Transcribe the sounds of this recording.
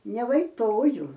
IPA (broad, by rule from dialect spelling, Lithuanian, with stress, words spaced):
nʲɛʋɐɪˈtoːjʊ